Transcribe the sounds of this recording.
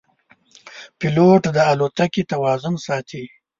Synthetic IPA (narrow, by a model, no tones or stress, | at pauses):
pɪloʈd̪əalot̪akit̪awɑːzʊnsɑːt̪ʰi